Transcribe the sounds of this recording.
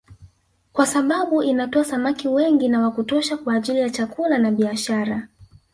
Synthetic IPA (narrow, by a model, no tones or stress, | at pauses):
kwasaɓaɓuʔinatɔasamakiwɛŋɡinawakutɔʃakwaːʄilijat͡ʃakulanaɓiaʃaɾa